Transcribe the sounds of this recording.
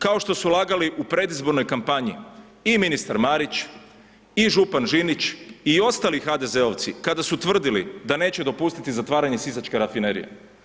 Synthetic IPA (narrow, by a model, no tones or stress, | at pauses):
kao̞ʃt̪o̞sulˠaɡaliʔupɾe̞d̪izbo̞ɾno̞jkampaɲḭ | iminist̪aɾmaɾit͡ʃ | iʒupanʒinit͡ɕio̞st̪aːlixad̪e̞ze̞o̞ʋt̪sikad̪asut̪ʋr̩d̪ilḭd̪ane̞ːt͡ɕed̪o̞pust̪it̪izat̪ʋaːɾaɲe̞sizat͡ʃke̞ɾafineɾḭjḛ